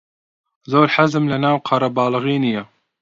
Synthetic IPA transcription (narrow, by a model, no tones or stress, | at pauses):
zoːɾħazɨmlɐnaːwqʰɑɾɐbɑːlɨɣiːnijɛ